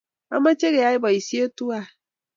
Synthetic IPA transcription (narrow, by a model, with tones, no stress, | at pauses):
a̰˦mã˦t͡ʃe˦ɡɛ˨a˨˦ɪ˦bɔ˨i˨si˦e˦tu˦a˨